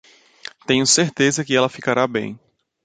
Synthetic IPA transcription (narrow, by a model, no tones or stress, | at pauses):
t̪ẽɲʊseɾt̪ezɐkɪɛlɐfikaɾʔabḛ̃j̃